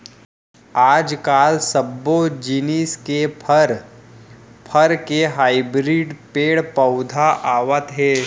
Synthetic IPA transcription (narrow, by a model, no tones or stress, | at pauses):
aːd͡ʒkaːlsɐbːod͡ʒiniːskeɾ | pʰəɾkeɦaːɪbɾiːɖpeːɽpəʊd̪ʱaʔaːʋət̪ɦɛː